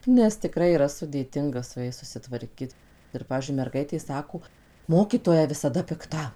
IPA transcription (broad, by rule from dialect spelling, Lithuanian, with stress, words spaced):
nʲɛs tʲɪˈkrɐɪ iːˈrɐ sʊdʲeːˈtʲɪŋɡɐ sʊ ˈjɛɪs sʊsʲɪtʋɐrʲˈkʲɪt ɪr ˈpɑːʋʲiːzʲd͡ʒʲʊɪ mʲɛrˈɡɐɪtʲeː ˈsɑːkoː ˈmoːkʲiːtoːjɛ ʋʲɪsɐˈdɐ pʲɪkˈtɐ